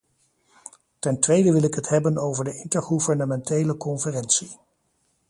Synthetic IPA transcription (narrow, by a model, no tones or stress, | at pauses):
tɛntʋejdəʋɪlɪkɦətɦɛbənowvəɹdəɪntəɹχuvəɹnəmɛntejləkɔnfərɛnsi